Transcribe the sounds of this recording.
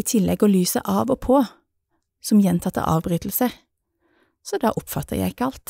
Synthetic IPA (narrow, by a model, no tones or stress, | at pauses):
iːt̪ʰɪlːɛɡoːlyːsə̰ʔɑːʋoːpʰoː | sɔmjɛnt̪ʰɑt̪ːə̰ʔɑ̰ːʋbʁyːt̪l̩sə | sɔd̪ɑ̰ːʔʊpfɑt̪ːəʁjæ̰ɪɪkːəɑlt̪